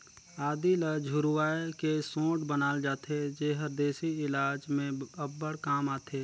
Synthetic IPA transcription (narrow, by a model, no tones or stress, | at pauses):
aːd̪iləd͡ʒʱʊɾuwaːekesõːʈbənaːld͡ʒaːt̪ʰed͡ʒeɦəɾd̪eːsiɪlaːd͡ʒmẽəbːəɽkaːmaːt̪ʰeː